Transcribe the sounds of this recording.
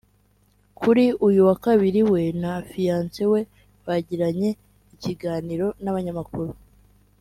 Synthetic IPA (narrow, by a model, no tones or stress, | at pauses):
kʰuɾiujuwakaβiɾiwe̞nafijaːnsewe̞ | βaɟiɾaɲe̞ | iciɡaːniɾo̞naβaɲamakuɾu